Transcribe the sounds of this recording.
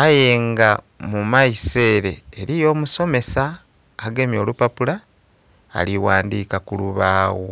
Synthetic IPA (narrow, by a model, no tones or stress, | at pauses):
ajeːŋɡa | mumaise̞ːɾe̞ːɾijo̞ːmuso̞me̞saː | ɡe̞mjo̞ːlupapula̰ː | liwaːndiːkakuluβaːwo̞